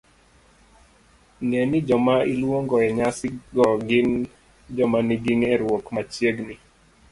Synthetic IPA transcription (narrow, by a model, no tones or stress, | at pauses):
nɛnid͡ʒɔmailwoŋɡɔɛɲasɪɡɔɡɪŋ | d͡ʒɔmaniɡiŋɛɾwokmat͡ʃjeɡni